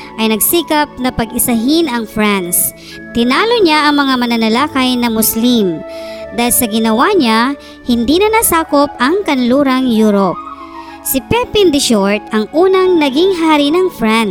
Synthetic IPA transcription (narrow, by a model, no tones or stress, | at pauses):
ʔɐjnɐɡsiːkɐp̚nɐpɐɡɪsɐɦinɐŋfɹans | t̪ɪnaːloɲaʔɐŋmɐŋamɐnɐnɐlaːkɐjnɐmʊslimd̪aːhɪlsɐɡɪnɐwaɲa | hɪnd̪inɐnasaːkop̚ɐŋkɐnluːɾɐŋjuːɾop̚ | sɪpɛpɪnd̪ɪʃoɹt̪̚ʔɐŋʔuːnɐŋnɐɡɪŋɦaːɾinɐŋfɹan